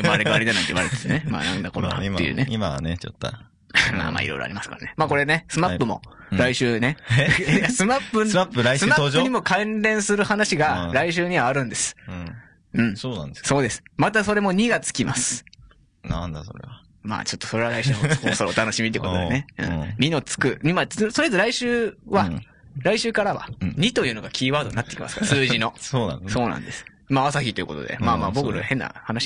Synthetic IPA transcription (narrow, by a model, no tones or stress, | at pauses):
ɯmaɾekɯaɾid̪anãit̪ḛḭβaɾet̪et̪enema̰ːnã̰nd̪ako̞ɾo̰a̰ejɯ̰ːneima̰net͡ɕo̰t̪ːo̰ | ma̰ːma̰ːḭɾo̞̰jɾoa̰ɾimasɨ̥ka̰ɾanemaːko̞ɾe̞ne̞sɨmapːɯ̟mo̞̰ | ɾaiɕɨːne̞jasɨmapːɯapːɯɾaisɨmaːɨɲ̟imo̞kãnɾẽ̞ɰ̃sɨɾɯ̟hanaɕiɡaɾaiɕɨːɲ̟iβaːɾɯ̟̃nd̪e̞sɨ̥̃ | ɯ̟̃ɴsoːnãnd̪esso̞ːd̪e̞sɨ̥mat̪aso̞ɾe̞mo̞ɲ̟iɡat͡sɨ̥kʲima̰sɨ̥ | nand̪asoɾḛa | ma̰ːt͡ɕo̞t̪ːo̞so̞ɾe̞βaɾaiɕɨːkosoɾot̪ano̞ɕimʲit̪eːkot̪od̪neɯ̰̃mʲino̞t͡sɨ̥kɯ̟ɲimasonoet̪oɾaiɕɨːβa | ɾaiɕɨːkaɾaβa̰ɲ̟it̪o̞jɯ̟ːno̞ɡakʲiːβaːd̪o̞ɲ̟inat̪ːekʲima̰sɨ̥kaɾasɨːʑino̞oːnã̰so̞ːnã̰nd̪e̞sɨ̥ | maasaçit̪o̞iɯ̟̰ːko̰t̪od̪e̞̰maːma̰ːboɡɯ̟ɾɯ̰a̰hẽ̞nːa̰hanaɕi̥